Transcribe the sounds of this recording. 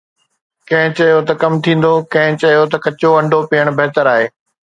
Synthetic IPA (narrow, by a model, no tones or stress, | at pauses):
kɐ̃ɦɪ̃t͡ɕɐijot̪ɐkɐmt̪ʰĩːn̆d̪okɐ̃ɦɪ̃t͡ɕɐɦijot̪ɐkɐt͡ɕoɐ̃ɳɖʱopiːəɽ̃bɐɦt̪əɾaːɦeː